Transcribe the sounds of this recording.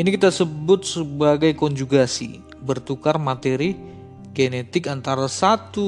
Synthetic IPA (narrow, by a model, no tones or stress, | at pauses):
ʔinikit̪asəbʊt̪̚səbaɡajkɔɲd͡ʒuɡasḭ | bərt̪ukarmat̪eɾi | ɡenet̪ɪkant̪aɾasat̪u